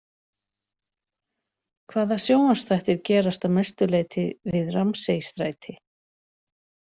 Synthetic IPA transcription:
kʰvaːðasjoːwast̪θajht̪ɪɾcɛːɾast̪amɛst̪ʏleːjt̪ʰɪvɪðramseːjst̪ɾaːjt̪ʰɪ

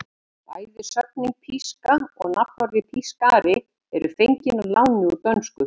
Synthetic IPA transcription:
ta̰ːjðɪsœp̚niŋk̚pʰiskaɔ̰ɣnap̪ɔɾvɪpʰiskaːɾɪ | ɛɾʏfeɲcɪnɔlaːwnɪut̪œnskʏ

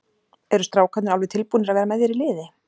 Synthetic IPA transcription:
ɛɾʏst̪ɾaːwkʰat̪nɾalvɛt̪ʰɪlpuːnɪɾaðvɛːɾamɛðjɛɾilɪːðɪ

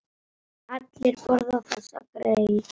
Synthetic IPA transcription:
at̪lɛɾpɔɾðafasa̰kɾajɪ

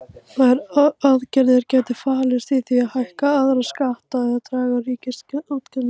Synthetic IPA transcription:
θaɛɾaðcɛɾðɪɾcɛːt̪ɪfaːlɪst̪iθiaðhajhkaaðɾaskaht̪aðɛðaðt̪ɾaːɣariːcɪsat̪kanɪ

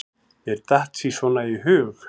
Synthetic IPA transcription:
jɛɾt̪aht̪sisvɔnaiɦʏːx

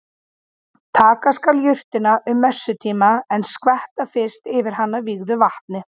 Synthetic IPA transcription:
t̪ʰaːkaskaljʏr̥t̪ɪnaʔʏmːœsːʏt̪ʰiːmaɛnskvɛht̪afɪ̥st̪ɪvɪɾ̥ɦanːaviɣðʏvaht̪nɪ

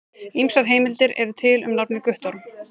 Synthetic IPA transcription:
imsaɾ̥ɦeːjmɪlt̪ɪɾɛ̰ɾʏt̪ʰɪlʏ̰mnapnɪkʏht̪ɔɾm

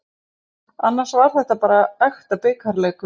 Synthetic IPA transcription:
anːaɾ̥svaɾ̥θɛht̪apaːɾaɛxt̪apɪːkaɾlɛkʏ

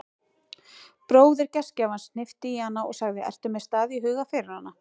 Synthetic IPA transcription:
pɾoːwðɪɾcɛscavansn̥ɪft̪ɪihanːaɔɣsaɣðɪʔɛ̰r̥t̪ʏmɛðst̪aːðiɦʏːɣafɪɾɪɾ̥hanːa

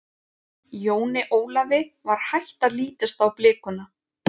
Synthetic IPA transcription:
joːwnɪʔoːwlavɪvaɾ̥hajht̪aliːt̪ʏst̪awplɪːkʏna

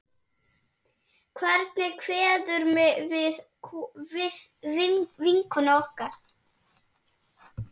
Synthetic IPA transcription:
kʰvɛɾt̪̚nɪkʰvɛːðʏɾmɪvɪð | vɪðvviŋkʏnaɔhkaɾ̥

